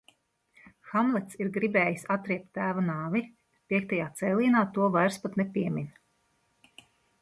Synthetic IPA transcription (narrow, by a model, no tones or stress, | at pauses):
xamlˠɛt̪siɾɡɾibɛːjisat̪ɾiɛp̚t̪ːæːvanaːvi | piɛkt̪ajaːt̪sɛjlˠiːnaːt̪uɔvajɾspat̪nɛpiɛmʲinʲ